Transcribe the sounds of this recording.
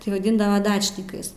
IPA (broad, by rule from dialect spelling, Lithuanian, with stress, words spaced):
tɐɪ ʋɐˈdʲɪndɐʋɐ ˈdɑːt͡ʃʲnʲɪkɐɪs